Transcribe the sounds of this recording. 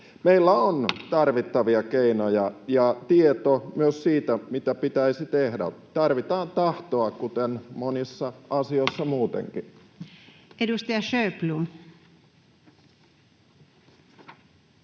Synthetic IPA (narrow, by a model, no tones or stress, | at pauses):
meilːæont̪ɑrʋit̪ːɑʋiɑkeinojɑjɑt̪iet̪omyøssiːt̪æmit̪æpit̪æisit̪ehdæ̰t̪ɑrʋit̪ɑːnt̪ɑht̪oɑkkut̪enmonisːɑɑsioisːɑmuːt̪ḛŋki | edust̪ɑjɑʃøplum